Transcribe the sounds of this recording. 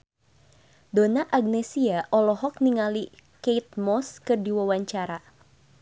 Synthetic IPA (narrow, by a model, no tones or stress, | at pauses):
donaʔaɡ̚nɛsiaʔɔlɔɦɔk̚niŋali | keit̪̚mɔskɨrdiwawaɲt͡ʃaɾa